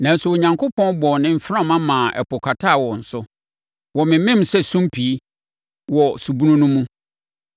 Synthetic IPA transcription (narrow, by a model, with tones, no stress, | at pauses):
nã˨n̩˦sʊ˨o˨ɲã˨ŋkʰʊ˦pʰɔ̃˦nbɔ˨nɪ̃˦m̩˦fɾã˦mã˦mãː˨ʔɛ̰˨pʰʊ˨kʰa˨tʰa˦˨wɔ˨n̩˨sʊ˦ | wɔ˨mɪ̃˨˦mɪ̃˦m̩˦sɛ˦sũ˦mpʰi˨˦ | wɔ˨su˨bu˦nʊ̃˦nʊ̃˦mũ˦